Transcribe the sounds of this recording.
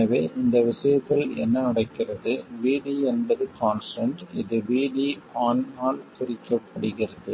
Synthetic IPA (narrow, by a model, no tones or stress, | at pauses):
ɐʋeːʔɪnd̪ɐʋɪʂɐjɐt̪ːɐɭɛ̰nːɐnɐɽɐɪkːɪrɐðɯʋiːɽiɛnbɐðɯkaːnsʈɐɳʈɪðɯʋiːɽiaːnaːlkʊɾɪkːɐpːɐɽɯɣɪrɐðɯ